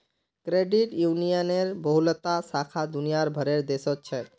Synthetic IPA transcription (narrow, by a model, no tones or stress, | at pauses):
kɾeɖiʈjunijəneɾbəɦulət̪asakʰad̪unijaɾbʱəɾeɾd̪esɔt̪̚t͡ʃʰɛ